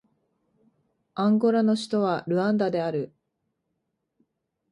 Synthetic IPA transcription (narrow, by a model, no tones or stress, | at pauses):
ãŋɡo̞ɾano̞ɕi̥t̪o̞βaɾɯ̟ãnd̪ad̪e̞aɾɯ̟